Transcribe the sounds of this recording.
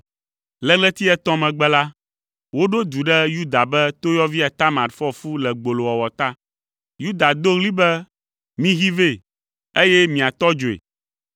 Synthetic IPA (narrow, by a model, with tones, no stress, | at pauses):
lɛ˦lɛ˦t̪i˦ɛ˦t̪ɔ̃˦mɛ̃˨ɡ͡bɛ˦la˦ | wo˦ɖo˦d̪u˨ɖɛ˦ju˦d̪a˨bɛ˦t̪o˦jɔ˦vi˦a˨t̪a˦mã˨t̪fɔ˦fu˦lɛ˨ɡ͡bo˨lo˨wɔ˨wɔ˨t̪a˦ | ju˦d̪a˨d̪o˦ɣli˦bɛ˦ | mĩ˦ɣi˦ve˦˨ | e˦jɛ˦mĩ˨a˨t̪ɔ˦d͡ʒo˨ḛ˨